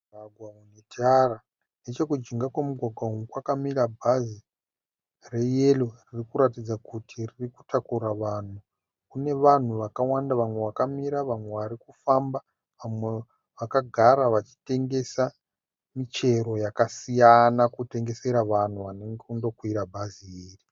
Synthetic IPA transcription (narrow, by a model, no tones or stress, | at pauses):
aɡʱwaunetiara | ne̞t͡ʃe̞kud͡ʒiŋɡakwamuɡʱaɡʱwaumukwakamiɾabʱazi | re̞je̞loririkuɾatid͡zakutʰiririku̥tʰakuɾaʋan̤u | kune̞ʋan̤uʋakawandaʋamwe̞ʋakamiɾaʋamwe̞ʋaɾikufamba | ʋamwe | ʋakaɡʱaɾaʋat͡ʃi̥te̞ŋɡe̞sa | mit͡ʃe̞ɾo̞jakasijanakute̞ŋɡe̞se̞ɾaʋan̤uʋane̞ŋɡeundo̞kwiɾabʱaziiːri